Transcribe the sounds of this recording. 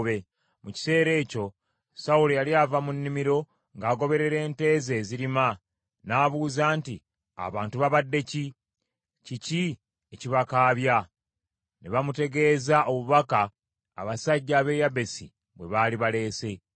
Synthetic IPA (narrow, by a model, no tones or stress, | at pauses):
βe | muci̥se̞ːɾe̞ːco̞ | saulojaliaːvamunːimiɾo̞ | ŋɡaːɡo̞βe̞ɾe̞ɾe̞ːnte̞ːze̞ːziɾima | naːβuːzaːnti | a̰βaːntuβaβadːe̞ci | cici | eciβakaːβja | neβamute̞ɡe̞ːzaʔo̞βuβaka̰ː | βasaɟːaːβe̞ːjabe̞si | βwe̞βaːliβale̞ːse̞